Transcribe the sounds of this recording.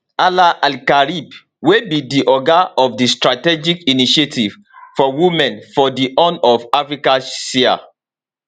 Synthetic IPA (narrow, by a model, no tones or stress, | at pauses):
alaʔalkaɹib | webidiʔɔɡaɔfdistɹatɛd͡ʒikiniʃetiv̥ | fɔwumɛ̃nfɔdiʔɔ̃nɔvafɹikasia̰